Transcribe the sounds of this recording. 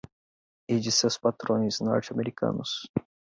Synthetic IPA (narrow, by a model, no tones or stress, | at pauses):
id͡ʒɪsewspat̪ɾõj̃znɔ̰ɾt͡ʃɪameɾikʰɐ̰̃nʊs